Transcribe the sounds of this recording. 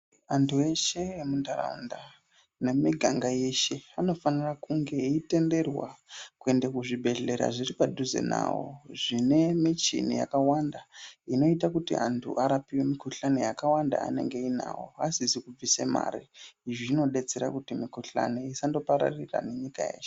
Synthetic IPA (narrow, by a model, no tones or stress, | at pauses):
antʰue̞ʃe̞emundaɾa̰nda | ne̞miɡʱaŋɡaje̞ʃe̞ano̞fanirakuŋɡe̞ite̞nde̞rwakue̞ndekuʐibʱe̞ɮe̞ɾa̰ʐiripadʱuzḛna̰ːwo̰ʐine̞mit͡ʃḭnija̰kawandaino̞itakutḭʔantʰṵʔaɾapiwe̞mikuɬane̞jakawanda̰a̰ne̞̰ŋɡe̞ina̰wo̰asisikub͡vise̞ma̰ɾḭiʐino̞ɗe̞t͡seɾakutimikuɬa̰neisando̞paɾa̰rira̰ne̞ɲika̰je̞̰ːʃe̥